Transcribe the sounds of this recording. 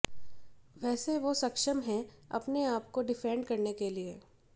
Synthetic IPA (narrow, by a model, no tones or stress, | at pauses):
ʋɛːseʋosɐkʃəmɦɛ̃ɐ̰pneaːp̚koɖɪfɛ̃ːɳɖkɐɾnekelie